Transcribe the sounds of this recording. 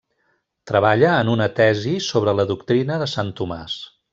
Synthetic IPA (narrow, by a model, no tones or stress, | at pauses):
t̪ɾəβaʎəːnunət̪ɛzisoβ̞ɾələðukt̪ɾinəðəsant̪uma̰s